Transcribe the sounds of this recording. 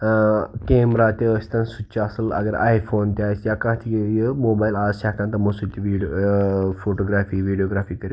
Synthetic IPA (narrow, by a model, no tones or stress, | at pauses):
kemɾat̪ʲeəst̪ansut͡ɕaːsəla̰ɡəɾa̰jfont̪jajsjakãt̪ʰikejəmobailaɕaʈãnt̪ɐməsut̪ːiʋiɖ | foʈoɡɾaːfiːʋiɖijoɡɾafiːkəɾi